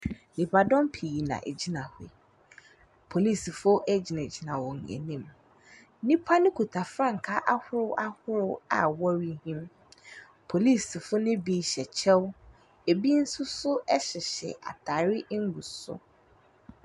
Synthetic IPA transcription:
li˨pʰa˨dɔ̃˦mpʰi˨ji˨nã̰˨ʔe˨d͡ʑi˦nã˨hʊ˨ɪ̰˨ | pʰo˨li˦˨sfʊ˦ɛ˦d͡ʑi˨nã˨d͡ʑi˨nã˨wɔ˨ŋ˨ɛ̰˨nĩ˦˨m | nĩ˦pʰa˦nɪ̃˦kʰu˨tʰa˨fɾã˦˨ŋ̩˨kʰa˦ʔa˦hʊ˦ɾʊ˦ʔa˦hʊ˦ɾʊ˦a̰˨wɔ˦ɾi˦hĩ˦m | pʰo˨li˦˨sfʊ˦nɪ̃˦bi˨˦˨ɕɛ˨t͡ɕʰɛ˦w | e˨bi˦n̩˦sʊ˦sʊ˦ɛ˦ɕɪ˨ɕɛ̰˨ʔa̰˨tʰaː˨ɾɪ˦ʔŋ̩˦ɡu˨sʊ̰˦

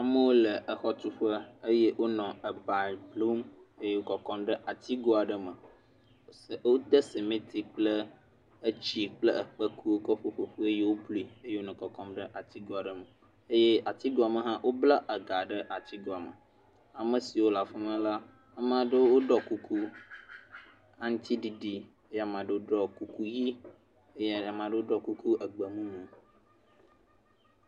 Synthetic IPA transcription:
a˨mə̃˦wo˦lə˨ʔə˨xɔ˦t̪u˦ɸə˦e˦je˦wo˦nɔ̃˨ə˨ba˨blu˦me˦je˦wo˦kɔ˨kɔ˦mɖə˦ʔa˨t̪i˦ɡo˦a˨ɖə˦mə̃˨˦˨ | wo˦d̪ə˦se˨mẽ˦t̪ʰi˨k͡plə˦ | ə˦t͡ɕi˦k͡plə˦ə˨k͡pə˦kʰu˦o˦kɔ˦ɸo˦ɸo˨ɸu˦e˦je˦wo˦blu˨˦i˨e˦je˦wo˦nɛ̃˨kɔ˨kɔ˦mɖə˦ʔa˨t̪i˦ɡo˦a˨ɖə˨mə˨ | e˦je˦a˨t̪i˦ɡo˦a˨mə˨ɦã˦wʔo˦bla˦ʔə˨ɡa˨ɖə˦ʔa˨t̪i˦ɡo˨a˨mə̰˨ | a˨mə˨si˨wo˦la˨fe˦mə̃˦la˦ | a˨m˨ã˨ɖə˦wo˦ɖɔ˦ku˦kʰu˦ | a˨ŋ̩˦t̪i˦ɖi˨ɖi˦ | e˦ja˨m˨ã˨ɖə˦wo˦ɖɔ˦ku˦ku˦ji˦ | e˦je˦˨a˨m˨ã˨ɖə˦wo˦ɖɔ˦ku˦ku˦ə˨ɡ͡bə˨mũ˦nũ˨

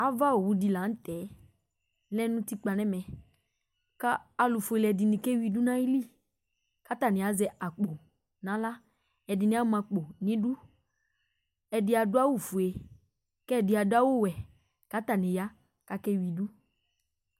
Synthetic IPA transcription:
a˨va˦o˨wu˧di˧la˨˦n̩˦tɛ˨˦ | lɛ˦nũ˦ti˦k͡pa˨nɛ˦mɛ̃˨ | kaː˦˧lu˨fu˨e˧lɛ˧˨dɪ˧nĩ˨˧kɛ˦wi˧du˦nã˦i˦li˦˨ | ka˨˦ta˨nɪ̃˨a˨˦zɛ˧ʔa˨k͡po˨ | nã˨˦la˦ | ɛ˨dɪ˨nĩ˦a˦mã˧k͡po˨nĩ˦du˦ | ɛ˧dɪ˧a˨dʊ˦a˦wu˦˨fu˨e˧ | kɛ˦˨dɪ˧˦a˨dʊ˦a˦wo˦˨wɛ˨ | ka˨˦ta˨nĩ˨ja˦ | ka˦kɛ˦wi˧du˦

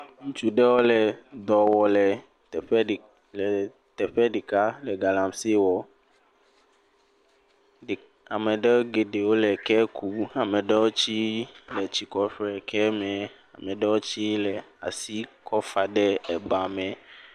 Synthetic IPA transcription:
ŋũ˦t͡ʃu˦ɖɛ˦wo˦lɛ˨d̪ɔ˨wɔ˨lɛ˨ | t̪ɛ˨ɸɛ˦˨ | lɛ˨ | t̪ɛ˨ɸɛ˦ɖi˨ka˦lɛ˨ɡa˨lã˨msi˦wɔ˨ | a˨mɛ̃˨ɖɛ˦ɡe˨ɖe˨wo˦lɛ˨kɛ˦kʰu˦a˨mɛ̃˨ɖɛ˦wo˦t͡ɕi˦lɛ˨t͡ɕi˨kɔ˨ɸɾɛ˨kʰɛ˦mɛ̃˨a˨mɛ̃˨ɖɛ˦wo˦t͡ɕi˦lɛ˨a̰˨si˦kʰɔ˦fa˨ɖɛ˦ɛ˨ba˨mɛ̃˨

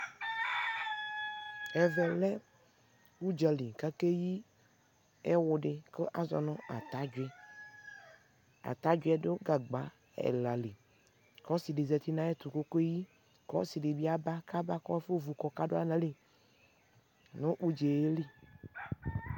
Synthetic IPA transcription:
ɛ˨vɛ˨lɛ˦ | wu˦d͡ʒɛ˨li˨ka˦ke˦ji˦ | e˦wʊ˨ɖe˨ke˦ʔa˨zɔ̰˨nɔ̃˦a˨t̪a˦d͡ʒɛ˦ | a̰˨t̪a˦d͡ʒu˦ɛ˦ɖo˦ɡa˨ɡ͡ba˨ | ɛ̰˨la˨li˨ | kɔ˦si˨ɖe˨zɛ˨t̪i˦nã˦e˦t̪u˨ko˦ko˦e˦ji˦ | kɔ̰˦si˨ɖe˨bi˦a˦ba˦ka˦ba˦kɔ˦fo˦vu˨kɔ˨ka˦ɖo˦a̰˦lã˦li˨ | nõ˦ʔu˦d͡ʒe˨je˦li˦

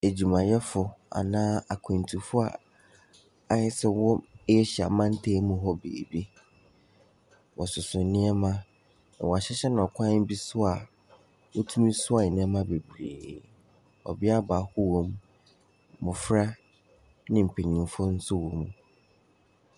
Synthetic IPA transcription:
e˨d͡ʑu˨mã˨jɛ˦fʊ˨a̰˨nãː˦a˨kʰẽ˨n̩˨tʰu˨fʊ˦a̰˨ | a˦ɪ˦sɛ˦wɔ˦e˦ɕa̰˨mã˦n̩˦tʰeː˦mũ˨ɦɔ˦bḛː˨bi˦ | wɔ˨sʊ˨sʊ˨nɪ̃˦ɛ˦mã˦˨ | wɔ˨a˨ɕɛ˦ɕɛ˦nʊ̃˨ɔ˨kʷʰã˦n˦m̩˦bi˦sʊ˦a˨ | wo˦tʰũ˦mĩ˦sʊ˦a˨ɪ˨nɪ̃˦ɛ˦mã˦be˨bɾḛː˨ | ɔ̰˨bɪ˦a˦ba˨hʊ˦wo˦m | mʊ̃˨fɾa˦ | nɪ̃˦m̩˨pʰe˨ɲĩ˨˦fʊ˦n̩˦sʊ˦wo˨m˨

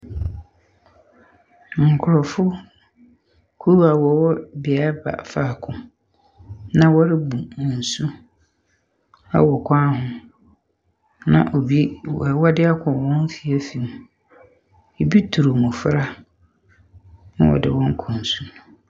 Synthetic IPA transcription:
ŋ̩˨kʰʊ˨ɾɔ˨fʊ˦ | kʰu˦wa˨wɔ˨wɔ˦bɪ˨a˨˦ba̰˨fa˨kʰʊ̃˨ | nã˦wɔ˦ɾɪ˦bu˨n˨n̩˨su˦ | a̰˦wɔ˨kʰʷã˦hʊ̃˨ | nã̰˨ʔo˨bi˦ɛ˨wɔ˦dɪ˦a˦kʰʊ̃˨wɔ̃˦n˦fi˨æ˦fi˨nũ˨ | e˨bi˦tʰu˨ɾu˨mʊ̃˨fɾa˦ | ñ̰˦wɔ̰˨dɪ̰˨wɔ̃˦ŋ˦kʰɔ̃˨n̩˨su˦n˨

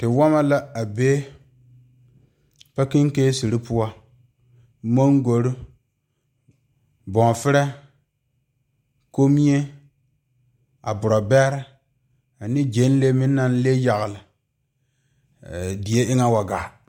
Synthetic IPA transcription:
tɪ˨wa˦ma˦la˦a˨be˦ | pa˦ki˦ŋ˦ke˦si˨ɾi˦pʊ˦wa˦ | mo˦ŋɡo˨ɾi˦ | bɔ˨ŋ˨fɪ˦ɾɛ˦ | ko˦mi˦e˦ | a̰˨bʊ˨ɾɔ˨bɛ˦ɾɪ˦ | a˨nɪ˦d͡ʒe˦n˦le˦mɪ˦nː˦a˦n˦le˦ja˨ɣlɪ˨ | di˨e˦ʔɪ˦ŋa˦wa˨ɡa̰˨

